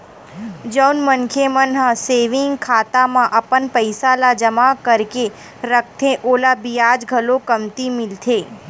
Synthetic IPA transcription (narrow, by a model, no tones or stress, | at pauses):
d͡ʒəwnmənkʰemənɦãseʋɪŋɡkʰat̪amãʔəpənpəjsalad͡ʒəmakəɾke | ɾək̚ʰt̪ʰẽʔolabijad͡ʒɡʱəlokəmt̪imɪlt̪ʰe